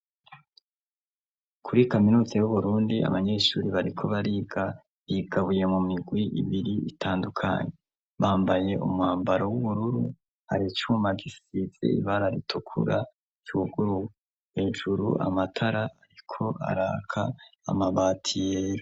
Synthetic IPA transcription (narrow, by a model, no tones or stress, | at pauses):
kʰuɾikaminuːzeβuβuɾuːndia̰βaɲe̞ʃuːɾiβaɾikʰo̞βaɾia | iɡaβuje̞mumiɡwiʔḭβiɾiitʰaːndukʰa̰ɲe̞ | βaːmbaje̞ṵmhaːmbaɾowuβuɾuɾu | ha̰ɾit͡ʃumaɡisiz̥ḛḭβaɾaɾitʰukʰṵɾa | d͡ʒuɡ̥uɾu | he̞ːʒuɾṵʔa̰matʰaɾaaɾikʰo̞a̰ɾaːkʰa̰ːmaβaːtʰijeɾo